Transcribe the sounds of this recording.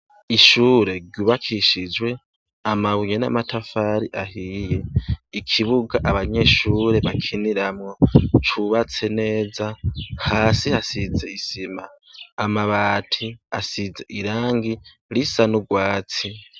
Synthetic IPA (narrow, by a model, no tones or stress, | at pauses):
iʃuːɾe̞ɡɟuβakʰiʃid͡ʒwe̞ | amaβujena̰matʰafaɾiʔahije̞ikʰiβuɡaʔaβaɲe̞ʃuːɾe̞βakʰiniɾamŋot͡ʃʰuβat͡se̞ne̞ːzahaːsihasid͡ze̞isimaː | maβaːtʰiasid͡ze̞̰ʔiɾaːŋɡi | lisanuɡwaːt͡si